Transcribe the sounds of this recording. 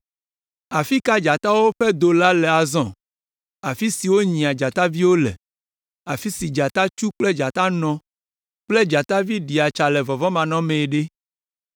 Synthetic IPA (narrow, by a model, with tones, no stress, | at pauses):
a˨fi˦ka˦d͡ʒa˨t̪a˦wo˦ɸɛ˦d̪o˨la˦lɛ˨a˨zɔ̃˨ | a˨fi˦si˨wo˦ɲĩ˨a˨d͡ʒa˨t̪a˦vi˦wo˦lɛ̰˨ | a˨fi˦si˨d͡ʒa˨t̪a˦t͡ʃu˦k͡plɛ˦d͡ʒa˨t̪a˦nɔ̃˦ | k͡ple˦d͡ʒa˨t̪a˦vi˦ɖi˨a˨t͡ʃa˨lɛ˨vɔ˨vɔ˦mã˨nɔ̃˦mẽ˨ɖe˦